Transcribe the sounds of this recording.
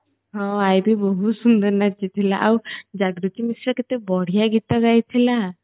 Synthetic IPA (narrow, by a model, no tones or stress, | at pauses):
ɦɔ̃ajbʱibɔɦut̪sund̪əɾnat͡ʃit̪ʰilaʔawd͡ʒaɡɾut̪imisɾəket̪ebɔɽ̤ijaɡit̪ɔɡajt̪ʰila